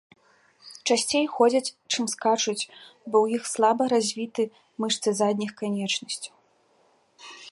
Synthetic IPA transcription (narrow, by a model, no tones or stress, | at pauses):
t͡ʂasʲt͡sʲejxɔd͡zʲɐt͡sʲt͡ʂɨmskat͡ʂɨt͡sʲbɔwjixslˠabɐɾazʲvʲit̪ɨ | mɨʂt̪sɨzad̪ʲnʲixkanʲɛt͡ʂnɐsʲt͡sʲu̥